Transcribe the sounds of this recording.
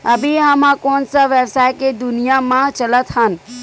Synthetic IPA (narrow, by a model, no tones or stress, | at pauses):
əbʱiɦəmãkɔːnsaʋəbsaːjked̪ʊnijamãt͡ʃələt̪ɦən